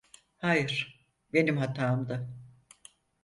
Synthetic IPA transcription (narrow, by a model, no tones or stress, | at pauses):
hajɯɾ̥ | be̞nimhat̪ʰaːmd̪a